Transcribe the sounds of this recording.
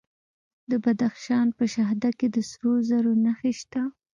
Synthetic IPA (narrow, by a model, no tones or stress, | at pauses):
d̪əbad̪axʃɑnpəʃaɦd̪aked̪əsɾozaɾonaxeʃt̪a